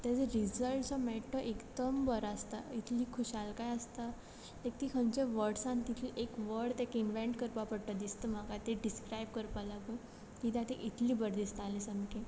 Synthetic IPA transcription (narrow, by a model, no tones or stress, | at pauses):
t̪ad͡zeɾizəlʈsɔmeʈʰːəʔekd̪əmbəɾast̪ait̪ʰliːkʰuɕalkajəst̪a | t̪ek̚t̪ikʰə̃ɲt͡ɕeʋəɾɖsãnt̪it̪ʰiʔekʋəɽt̪ekinʋeɳʈkəɾpapəɽʈ̪əd̪ist̪əmakat̪eɖiskɾajbkəɾpalaɡə | t̪it̪jat̪eʔit̪ʰliːbəɾd̪ist̪alesəmke